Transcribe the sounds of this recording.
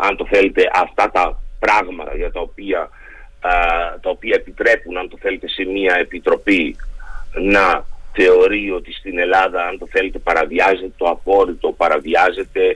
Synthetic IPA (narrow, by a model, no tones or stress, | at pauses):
ɐ̰nt̪o̞θe̞le̞t̪e̞ʔɐft̪ɐt̪ɐpɾɐɣmɐʝɐt̪ɐopiɐ | t̪ɐo̞piɐepit̪ɾe̞punɐnt̪o̞θe̞le̞t̪e̞se̞miɐe̞pit̪ɾo̞pi | nɐθe̞o̞ɾio̞t̪ist̪ine̞lɐðɐɐnt̪o̞θe̞le̞t̪e̞pɐɾɐviɐze̞t̪e̞t̪o̞ɐpo̞ɾit̪o̞pɐɾɐviɐze̞t̪e̞